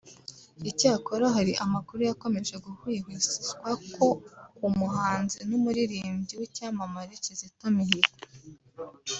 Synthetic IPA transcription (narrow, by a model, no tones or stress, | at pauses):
icaːkoɾaɦaɾiʔamakuɾujako̞me̞ʒe̞ɡuhwiːhwisizɡwakʰo̞kumuɦaːnzinumuɾiɾiːmbɟiwicaːmamaɾicizitamihi